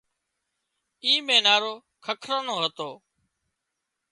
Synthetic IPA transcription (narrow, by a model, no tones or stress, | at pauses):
iːmẽːnaːɾoː | kʰəkʰɾənoːɦət̪oː